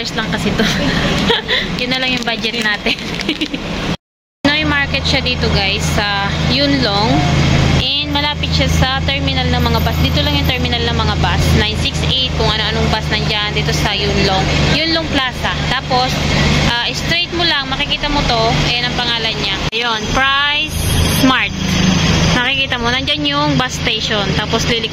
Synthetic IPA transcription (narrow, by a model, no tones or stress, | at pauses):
ɛslɐŋkɐsɛt̪o | jʊnːɐlɐŋjʊŋbad͡ʒɛt̪̚naːt̪ɛn | noʔjmaɹkɛt̪̚ʃad̪iːt̪oɡajsːɐjʊnloŋʔɛnd̪mɐlaːpɪt̪̚ʃasɐt̪ɛɹmɪnɐlnɐŋmɐŋabasd̪iːt̪olɐŋjʊŋt̪ɛɹmɪnɐlnɐŋmɐŋabasnajnsɪksʔejt̪̚kʊŋʔɐno̞ʔɐnoŋbasnɐŋd͡ʒand̪iːt̪o̞sɐjʊnloŋjʊnloŋplaːsɐt̪aːpo̞sʔaʔɪst̪ɾejt̪̚molaŋmɐkɪkiːt̪ɐmot̪o̞ʔɛnɐŋpɐŋaːlɐnɲaʔɐjonpɹajsmaɹt̪̚ | nɐkɪkiːt̪ɐmo̞nɐnd͡ʒanjʊŋbast̪ejʃont̪aːpo̞sliːlɪ